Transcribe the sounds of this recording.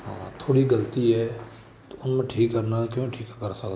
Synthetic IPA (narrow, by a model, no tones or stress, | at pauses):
ɦãːt̪ʰoːɽiɡəlt̪iɦɛ | t̪oʊnmẽʈʰiːkːəɾnakjõːʈʰiːkkəɾsəkd̪